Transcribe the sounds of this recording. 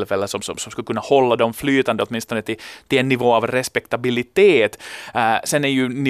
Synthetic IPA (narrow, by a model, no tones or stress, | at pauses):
lfɛlːəsɔmsɔmsɔmskɵkɵnːahɔlːad̪ɔmflyːt̪and̪əɔt̪mɪnst̪ɔnət̪ɪt̪ʰɪlɛnːɪvoːavɾɛspɛkt̪abɪlɪt̪eːt̪sɛnæɾjɵnɪ